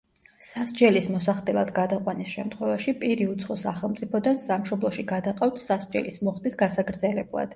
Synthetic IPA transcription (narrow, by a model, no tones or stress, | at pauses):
sasd͡ʒɛlismɔs̬aχd̪ɛlˠa̰d̪ɡad̪aqʼwanisʃɛmt̪ʰχwɛvaʃipʼiɾiut̪sʰχɔsaχɛlˠmt̪ʼipʰɔd̪ansamʃɔblˠɔʃiɡad̪aqʼaft̪ʰsasd͡ʒɛ̰lismɔχd̪isɡasaɡɾd̪zɛlɛblˠa̰d̪̥